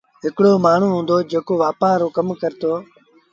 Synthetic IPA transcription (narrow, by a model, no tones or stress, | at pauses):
ɦɪkɽoːmaːɳ̤uːɦũːnd̪oːd͡ʒeːkoːʋaːpãːɾoːkəmkəɾt̪oː